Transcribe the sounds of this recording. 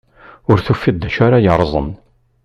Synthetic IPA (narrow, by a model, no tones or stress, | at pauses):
ʊɾθufəd̪ːæʃaɾajəɾˤzˤə̰n